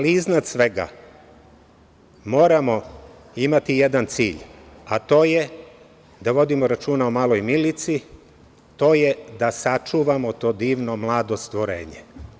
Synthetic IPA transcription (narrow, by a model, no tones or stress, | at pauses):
aliiznad̪sʋe̞ɡa̰ | mo̞ːɾamo̞ | imat̪ijed̪ant̪sḭːʎat̪o̞ːje | d̪aʋo̞d̪imo̞ɾat͡ʃuːnaomaːlˠo̞jmilit̪si | t̪o̞ːjed̪asat͡ʃuːʋamo̞t̪o̞ːd̪iːʋno̞mlˠaːd̪o̞st̪ʋo̞ɾḛːɲḛ